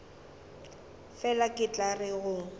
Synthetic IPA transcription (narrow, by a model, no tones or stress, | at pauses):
fɛlakʼɪt͡ɬʼarɪɣʊ